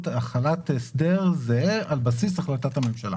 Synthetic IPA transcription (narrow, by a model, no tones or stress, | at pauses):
taχalat̪esdeʁzealbasisaχlatathame̞mʃala̰